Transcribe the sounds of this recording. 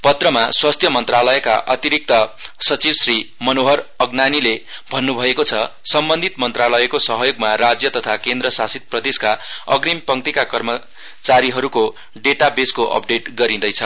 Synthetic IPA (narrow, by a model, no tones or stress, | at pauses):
pʌt̪rʌmaswast̪ʰjʌmʌnt̪ralʌjʌkaʔʌt̪iɾik̚t̪ʌsʌt͡sibsrimʌnoɦʌrʌɡnanilebʱʌnːubʱʌekot͡sʰʌsʌmbʌnd̪ʱit̪mʌnt̪ralʌjʌkosʌɦʌjoɡmaɾad͡zjʌt̪ʌt̪ʰakend̪rʌsasit̪̚prʌd̪eskaʌɡrimpʌŋt̪ikakʌrmʌ | t͡saɾiɦʌɾuko | ɖeʈabeskoʔʌ̰p̚ɖeʈɡʌɾĩd̪ʌjt͡sʰʌ